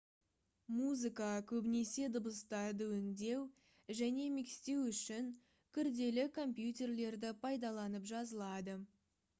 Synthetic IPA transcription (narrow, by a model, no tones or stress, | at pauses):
muzɨkɑkʲʰɵbɪne̞se̞d̪əbəst̪ɑd̪əwɪŋd̪e̞w | ʒæne̞mikst̪e̞wʏʃɪŋ | kʲʰʏɾd̪e̞lɪkʰo̞mpjut̪̬ʲe̞rle̞ɾd̪ɪpʰɑjd̪ɑlˠɑnəpʒɑzəlˠɑd̪ə